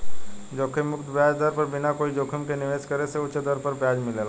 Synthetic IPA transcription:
d͡ʒokʰimːʊkt̪bjad͡ʒd̪əɾpəɾbɪnakoːid͡ʒokʰimkeniʋeskəɾeseʊt͡ʃːd̪əɾpəɾbjad͡ʒmɪlel

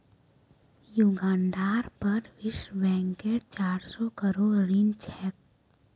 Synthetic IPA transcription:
juɡãːnɖaːɾpəɾʋɪʃbɛ̃ːŋkeːʈt͡ʃaːɾsɔkəɾoːɽːint͡ʃʰɛːk̚

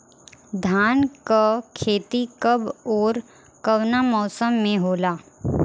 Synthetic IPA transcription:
d̪ʱaːnkakʰeːt̪ikɐbɔːɾ | kɐʋnamɔːsəmːẽɦoːlaː

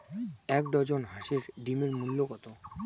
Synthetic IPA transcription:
ɛk̚ɖ̪ɔd͡ʑonɦaʃeɾɖimeɾmulːokɔt̪o

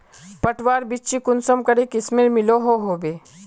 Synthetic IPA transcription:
pəʈʋaːɾbɪt͡ʃikʊnsəmkəɾekɪsmeɾmɪloɦoɦoːbeː

